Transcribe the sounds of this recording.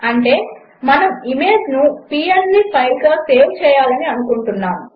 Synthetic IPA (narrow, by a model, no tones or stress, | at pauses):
ɐɳʈe̞ː | mɐnɐmime̞ːd͡ʒnupiːeɾnipʰɐjlɡaːse̞ːʋt͡ʃɛːjaːlɐniɐnukuɳʈunːaːm